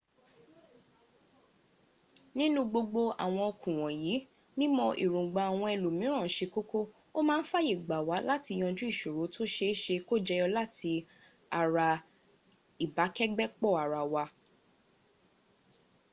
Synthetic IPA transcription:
nĩ˦nũ˦ɡ͡bo˧ɡ͡bo˧a̰˨w̃ɔ̃˧ɔ˧kũ˨w̃ɔ̃˨jiː˨˦ | nĩ˦mɔ̃˧ʔḭ˨ɾũ˨ɡ͡ba˨a˨w̃ɔ̃˧ɛ˧lu˨mĩ˨˦ɾ̃ã˦˨˦ʃe˧ko˦ko˦ | o˦mãː˦n̩˦fa˦ji˦˨ɡ͡ba˨wa˨˦la˦ti˧j̃ɔ̃˧d͡ʒũ˦i˦˨ʃo˨ɾo˨˦to˦ʃe˧˦ʃe˧ko˦˨d͡ʒɛ˧jɔ˧la˦tʰi˧ | a˨ɾa˧ | i˨ba˨˦kɛ˦ɡ͡bɛ˦k͡pɔ˦˨a˨ɾa˨wa˧

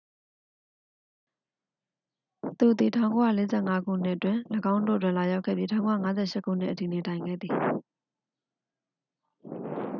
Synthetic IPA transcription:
t̪u˨ət̪i˨tʰã˨ʊ̃ŋko˦ja̰˦˨le˨˦zɛ̰˦˨ŋa˦ɡṵ˦˨n̥ɪ˦ʔətwɪ̃˨ləɡã˦ʊ̃ndo̰˦˨ət̬wɪ̃˦˨la˨ja˦ʊʔkʰɛ̰˦˨ði˦tʰã˨ʊ̃ŋko˦a̰˦˨ŋa˦zɛ̰˦˨ʃɪ˦ʔkʰːṵ˦˨n̥ɪ̰˦ʔəti˨ne˨tã˨ɪ̃ŋɡɛ̰˦˨d̪ði˨

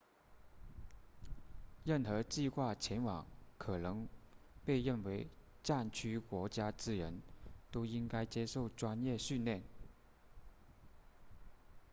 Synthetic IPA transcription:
ɻə˥˩nxɤ˧˥t͡ɕi˥˧xwa˥˩t͡ɕʰjɛ˧˥nwɑ˨˩˦ŋkʰɤ˨˩nɤ˧˥ŋpe˥˧ɪɻə˥˩nwe˧˥ɪ | ʈ͡ʂa˥˩nt͡ɕʰy˥kwɔ˧˥t͡ɕja˥t͡sɹ̩˥˩ɻə˧˥nt̪o˥ʊi˥ŋka˥ɪt͡ɕjɛ˥ʂo˥˩ʊʈ͡ʂwa˥njɛ˥˧ɕy˥˧nljɛ˥˩n

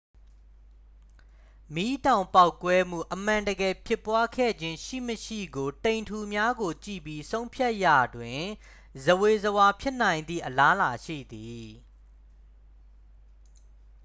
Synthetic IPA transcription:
mi˦tã˨ʊ̃mpa˦ʊkwɛ˦m̥ṵ˦˨ʔəm̥ã˨ndəɡɛ˨pʰjɪ˦˨pːwa˦kʰɛ̰˦˨d͡ʑɪ̃˦ʃḭ˦˨məʃḭ˦˨ɡo˨tẽ˨ɪ̃ntʰu˨mja˦ɡo˨t͡ɕḭ˦˨pji˦sõ˦ʊ̃mpʰja˦ʔja̰˨dwɪ̃˨ | zəwe˨zəwa˦pʰjɪ˦ʔnã˨ɪ̃nd̪ðḭ˦˨ʔəla˦la˨ʃḭ˦˨d̪i˨

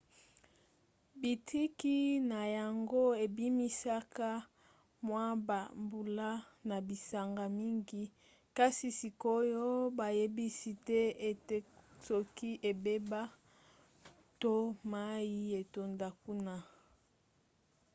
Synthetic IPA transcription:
bi˨tʰi˦ki˦na˨ja˨ŋɡo˦e˨bi˦mi˦sa˦ka˦ | mwa˦ba˨mbu˨la˦na˨bi˨sa˨ŋɡa˨mi˦ŋɡi˦ | ka˦si˨si˨ko˦jo˦ba˨je˦bi˦si˦tɛ˦e˨te˦sɔ˨ki˦ʔe˨be˦ba˦ | to˦ma˦ji˦e˨to˨nda˨ku˦na˦

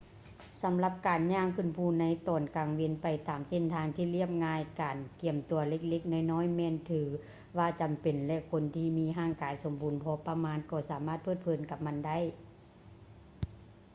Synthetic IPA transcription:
sa˨˦mla˧˥p̚kaː˨˩nɲaː˧˥˨ŋkʰɯ˧˩˨npʰuː˧˩na˧˥jt̪ɔː˨˩nkaː˨˩ŋwe˧˨npa˨jt̪aː˨mse˧˨nt̪ʰaː˧ŋt̪ʰiː˧˨li˧˥˩əp̚ŋaː˧jkaː˨nki˨˩əmt̪u˨˦ɐle˧k̚le˧˩k̚na˧˩jnɔː˧˥˨jmɛː˧˨nt̪ʰɯː˨˦ | waː˧t͡ɕa˨mpe˨nlɛ˧ʔkʰo˧˥nt̪ʰiː˧miː˧˥ɦaː˧˥˨ŋkaː˨jso˨˦mbuː˨˦npʰɔː˧pa˧maː˧˥˨nkɔː˧˩saː˨˦maː˥t̪̚pʰɤː˧˥˩t̪̚pʰɤː˨˩˦nka˧p̚ma˧˨nda˥˨j

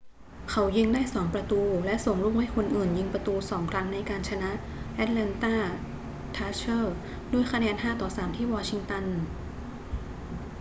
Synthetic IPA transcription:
kʰa˩˦˥wji˧ŋdaː˥˩jsɔː˩˦ŋpɾa˧t̪uː˧lɛ˦˥ʔso˨˩ŋɾuː˥˩mha˥˩jkʰo˧nʔɯː˨˩nji˧ŋpɾa˧t̪uː˧sɔː˩˦ŋkʰɾa˦˥ŋna˧jkaː˧nt͡ɕʰa˧na˦˥ʔ | ʔɛ˦˥t̪̚lɛ˧nt̪aː˥˩ | t̪ʰaː˦˥t͡ɕʰɤː˥˩ | du˥˩əjkʰa˧nɛː˧nhaː˥˩t̪ɔː˨˩saː˩˦mt̪ʰiː˥˩wɔː˧t͡ɕʰi˧ŋt̪a˧n

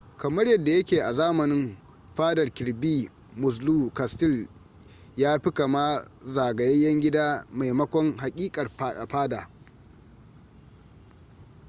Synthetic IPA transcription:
kɐ˨mɐ˦ɽjɐ˨dːa˨jɐ˦kʲeː˨ʔa˨zaː˦mɐ˨nɪ˦m | ɸaː˦dɐ˨rkʲɪ˨ɾbiː˦ | mʊ˨s̬luː˦ka˨stɪ˦˨l | jaː˦ɸɪ˦ka˨ma˦zaː˨ɡɐ˨jɐ˦jjɐ˦ŋɡʲɪ˦daː˦ma˨jmɐ˦kʷɔ˦ŋɦa˨kʲʼiː˦kʼɐ˨rɸaː˦daː˨

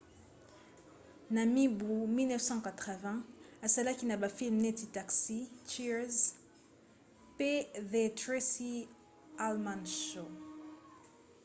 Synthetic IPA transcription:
na˨mi˦bu˨mi˦lnɛ˦fsɑ̃˦ka˨tχə˨vɛ̃a˨sa˦la˦ki˦na˨ba˨fi˦lmne˦ti˨ta˨ksi˦ti˦z | pe˦ðe˨tʁe˦si˦ | almã˨nʃo

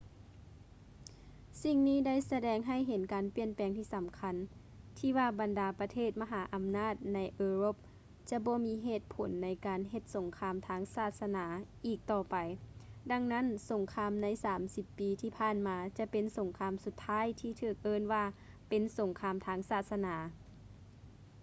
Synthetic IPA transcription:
si˧ŋniː˧˥˩da˥˩˨jsa˧dɛː˧˩ŋɦa˧˩˨jɦe˨˦nkaː˨npi˧˩ənpɛː˨˦ŋt̪ʰiː˧˩sa˨˦mkʰa˧n | t̪ʰiː˧˩waː˧˩ba˨ndaː˨˧pa˧t̪ʰeː˧˥˩t̪̚ma˧ɦaː˩˦ʔa˨mnaː˥˩t̪̚na˧˥jʔɤː˧ɾo˧˥p̚ | t͡ɕa˧bɔː˧˦miː˧˥ɦeː˧˩t̪̚pʰo˨˦nːa˧˥jkaː˨nɦe˧t̪̚so˨˦ŋkʰaː˧mt̪ʰaː˧˥ŋsaː˧˩t̪̚sa˧naː˩˦ʔiː˧˩k̚t̪ɔː˧˩pa˨jda˧˥ŋna˦˥˨nso˨˦ŋkʰaː˧˥mna˧˥jsaː˨˦msi˧˦pːiː˨˦t̪ʰiː˧pʰaː˧˩˨nmaː˨˧t͡ɕa˧˦pe˨nso˨˦ŋkʰaː˧˥msu˧t̪ʰːaː˧˥˨jt̪ʰiː˧˩t̪ʰɯː˧˩k̚ʔɤː˧˥˨nwaː˧ | pe˨nso˨˦ŋkʰaː˧mt̪ʰaː˧˥ŋsaː˧˩t̪̚sa˧naː˨˩˦

